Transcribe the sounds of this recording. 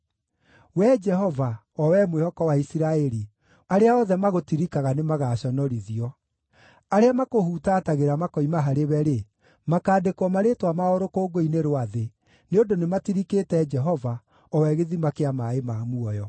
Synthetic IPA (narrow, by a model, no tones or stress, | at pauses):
wɛd͡ʒɛɦɔva | ɔwɛmwehɔkɔwaisiɾaɛɾi | aɾeaɔðɛmaɣotiɾikaɣanemaɣaɕɔnɔɾiðiɔ | aɾeamakohutataɣeɾamakɔimaɦaɾewɛɾe | makaːdekwɔmaɾetwamaoɾokoːɡoineɾowaðe | neondonematiɾikeːtɛd͡ʒɛɦɔva | ɔwɛɣeðimakeamaemamuɔjɔ